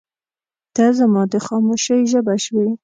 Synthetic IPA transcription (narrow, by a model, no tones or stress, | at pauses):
d̪̥azamɑd̪əxɑmoʃəjʒəbaʃwi